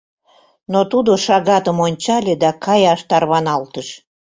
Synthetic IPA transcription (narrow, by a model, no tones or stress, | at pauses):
not̪ud̪oʃɑɣɑt̪əmonʲt͡ɕɑlʲed̪ɑkɑjɑʃt̪ɑrβɑnɑlt̪əʃ